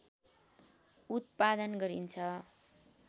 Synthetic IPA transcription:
ut̪̚pad̪ʌnɡʌɾint͡sʰʌ

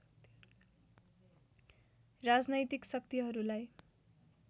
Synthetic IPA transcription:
rad͡znʌjt̪iksʌkt̪iɦʌɾulaj

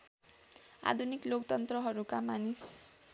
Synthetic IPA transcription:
a̰d̪ʱuniklokt̪ʌnt̪rʌɦʌɾukamanis

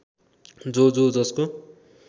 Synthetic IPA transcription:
d͡zod͡zod͡zʌsko

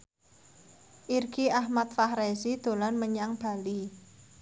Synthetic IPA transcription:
ʔirɡiahmat̪̚fahɾezid̪̥o̤lanməɲaŋb̥a̤li

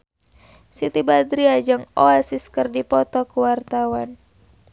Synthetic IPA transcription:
sit̪ibad̪ɾiad͡ʒɨŋɔasiskɨrdipɔt̪ɔkuwart̪awan

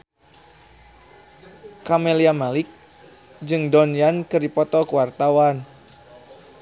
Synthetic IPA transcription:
kameliamalɪk̚ | d͡ʒɨŋdɔnjankɨripɔt̪ɔkəwart̪awan

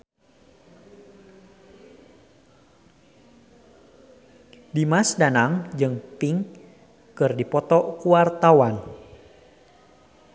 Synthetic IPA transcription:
dimasdanaŋd͡ʒɨŋp̪iŋ | kɨrdipɔt̪ɔkuwart̪awan

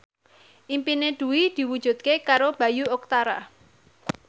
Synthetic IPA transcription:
ʔimpineɖ̪̥ṳwid̪̥i̤wud̥ʒ̥ṳt̪̚kekaɾob̥ä̤juɔk̚t̪aɾa

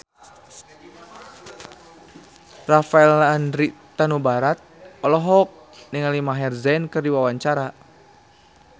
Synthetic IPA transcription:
rafaɛlandɾit̪anubaɾat̪̚ɔlɔɦɔk̚ | niŋalimaɦɛrzɛnkɨrdiwawaɲt͡ʃaɾa

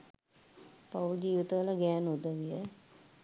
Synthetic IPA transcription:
paʋud͡ʒiːʋit̪əʋələɡɛːnud̪əʋijə

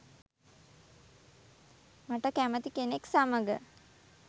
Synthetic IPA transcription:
maʈəkæmət̪ikeneksaməɡə̰

